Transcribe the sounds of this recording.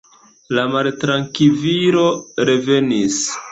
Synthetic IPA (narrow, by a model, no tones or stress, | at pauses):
lamaltɾaŋkiviɾo̞ɾe̞ve̞nis